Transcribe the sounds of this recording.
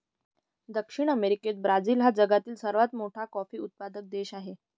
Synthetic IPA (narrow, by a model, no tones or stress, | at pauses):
d̪əkʂiɳ̃əmeɾiket̪̚bɾad͡ziːlɦad͡zəɡat̪iːlsəɾʋat̪moʈʰakɔfiːut̪̚pad̪ək̚d̪eɕaɦe